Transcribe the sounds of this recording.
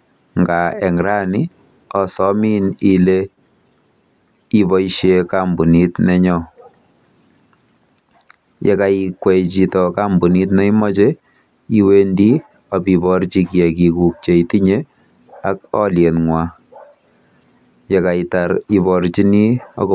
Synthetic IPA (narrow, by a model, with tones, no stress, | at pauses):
ŋɡaɛ˨ŋɾa˦ni˦ | ɔ˨sɔ˦mi˦ni˦le | i˦bɔ˦iʃjekambu˨ni˦tnɛ˦ɲɔ˦ | jɛ̰˨ka˨ikwɛ˨t͡ʃi˨tɔka˦mbu˨ni˦tnɛ˦imɔ˦t͡ʃe˦ | i˦we˦ndi˦ | ɔ˨pi˨bɔ˨ɾt͡ʃi˦kjɛ˨ki˨ku˨k̚t͡ʃe˨iti˦ɲe | akɔ˦ljɛ˨nŋwa˦ | jɛ˨ka˨itaɾi˦bɔɾt͡ʃi˦ni˦ɔ̰˦k